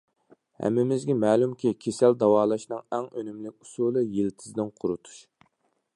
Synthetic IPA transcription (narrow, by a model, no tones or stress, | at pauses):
hæ̰mːɪmɪzɡʲɛmæːlˠumkʲikʲʰesæld̪ɑwɑːlˠɑʃnɨŋɛŋønymlɪkʲusulˠɨjilt̪ʰɪzd̪ɪnqʰʊɾut̪ʰu̥ʃ